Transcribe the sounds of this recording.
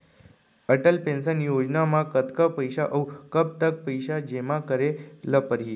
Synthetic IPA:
əʈəlpẽnsənjod͡ʑnamakət̪kəpəjɕaʔəwkəp̚t̪ək̚pəjɕad͡ʑemakəɾeləpəɾɦi

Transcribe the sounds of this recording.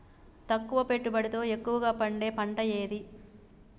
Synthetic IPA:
t̪ɐkːuʋɐpe̞ʈːubɐɽit̪o̞ːe̞kːuʋɐɡaːpɐɳɖe̞ːpɐɳʈɐje̞ːd̪i

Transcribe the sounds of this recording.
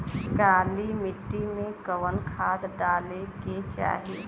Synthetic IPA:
kaːlimɪʈːimẽkəwənkʰaːd̪ɖaːleket͡ʃa̰ːɦi

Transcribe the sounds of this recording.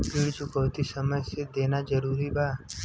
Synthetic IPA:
biːɽt͡ʃʊkəʋt̪isəməjsed̪eːnad͡ʒəɾuːɾibʱaː

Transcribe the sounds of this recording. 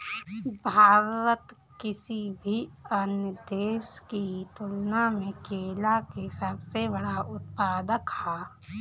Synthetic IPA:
bʱaːɾət̪ | kɪsibʱiɐnjəd̪eːskit̪ʊlnamẽkeːlakesəbsebəɽaʊt̪̚paːd̪əkhaː

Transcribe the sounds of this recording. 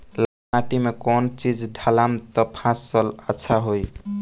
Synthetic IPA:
la | aʈimekɔnt͡ʃid͡ʒɖʱalamt̪ɔpʰãsələtːt͡ʃʰaɦoj

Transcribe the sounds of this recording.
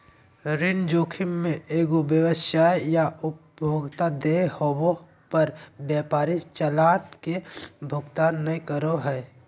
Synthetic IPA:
ɾɪnd͡ʒoːkʰɪmmẽʔeːɡobjəʋəʃaːjjaʊpbjoːɡt̪ad̪ehowo | pəɾbjaːpaːɾit͡ʃəlaːnkebʱʊɡt̪aːnːəĩkəɾoɦɛː

